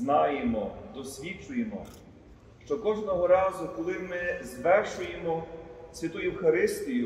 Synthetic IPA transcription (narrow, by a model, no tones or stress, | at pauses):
nɑjemɔd̪ɔsʲʋʲit͡ʃʊjemɔ̰ | ʃt͡ʃɔkɔʒnɔɦɔɾɑzʊkɔlˠɪmɪzʋɛrʃʊjemɔsʲʋʲit̪uiwxɐɾɪst̪ʲijʊ